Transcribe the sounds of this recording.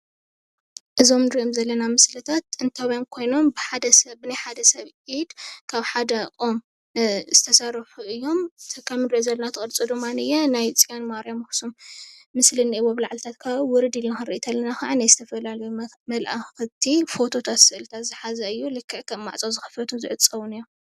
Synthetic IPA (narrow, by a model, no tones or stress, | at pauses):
ʔɨzo̞md̪ɾiomzɐlːɐnamɨslɨt̪ʰat̪̚ɨnt̪ʰawiamkʰo̞jno̞mbɨħad̪ɐsɐbɨnajħad̪ɐsɐβʕid̪kʰaβħad̪ɐʔʼom | z̥ɨt̪ʰɐsɐrħuɨjːo̞mkʰɐmɨndɾʔozɐlːɐnat̪ʰɨχʼɨɾt͡sʼud̪ɨmːanɨjɛnajt͡sʼijanmaɾijamɨxsummɨslɨnʔiβoβlaʕlt̪ʰat̪kʰaβwʊɾɨd̪ilnaxɨnɾɨʔit̪ʰɐlːɐnaxaʕanajzɨt̪ʰɐfɐlalɐju | mɐlʔaxɨt̪ʰifo̞t̪ʰo̞t̪ʰat̪sɨʔɨlɨt̪ʰat̪zɨħazɐɨjːulɨkʰːɨʕkʰɐmːa̰ʕt͡sʼozɨxɨ̥fɐt̪ʰuzɨʕɨt͡sʼɐwunɨjːo